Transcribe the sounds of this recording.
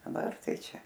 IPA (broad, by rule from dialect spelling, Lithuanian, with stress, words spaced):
dɐˈbɐr ˈtɐɪ ˈt͡ʃʲɛ